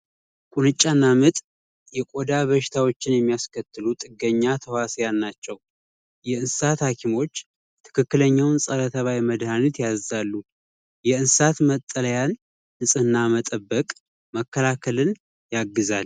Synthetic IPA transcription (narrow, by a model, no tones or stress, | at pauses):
kʼunɨt͡ʃʼːanːamɨt̪ʼ | jɛkʼo̞d̪aβəʃɪ̥t̪ʰawo̞t͡ʃːɪnjɛmːijaskʰət̪ʰːɨlut̪ʼɨɡːəɲːat̪ʰəwasjalnat͡ʃːɛw | jɛɨnssat̪hakʰimo̞t͡ʃː | t̪ʰɨ̥kʰɨkːɨləɲːawnsʼələt̪ʰəβajməd̪hanit̪jazːalːu | jɛɨnssat̪mət̪ʼːələjan | ɨsʼɨnːamət̪ʼəbːəkʼ | məkːəlakʰəlɨn | jaɡːɨzal